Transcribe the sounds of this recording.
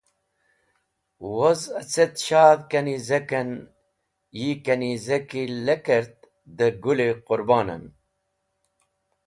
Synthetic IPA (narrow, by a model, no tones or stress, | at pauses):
wozɐt͡set̪ʃaːðkɐnizɐkɐn | jikɐnizɐkilɐkɐɾt̪̚ | d̪əɡuleqʊɾbɑːnɐ̰n